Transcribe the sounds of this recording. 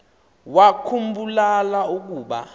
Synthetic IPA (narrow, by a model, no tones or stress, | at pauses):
wakʰumbulalauk̬uːɓa̰